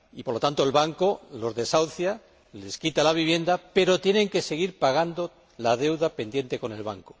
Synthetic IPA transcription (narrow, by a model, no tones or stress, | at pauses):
ipo̞ɾlo̞t̪ant̪oe̞lβaŋko̞lo̞zðe̞sawθja | le̞skit̪alaβ̞iβje̞nd̪ape̞ɾo̞t̪je̞ne̞ŋke̞se̞ɣ̞iɾpaɣ̞and̪o̞ | lað̞e̞wðape̞nd̪je̞nt̪e̞ko̞ne̞lβaŋko̥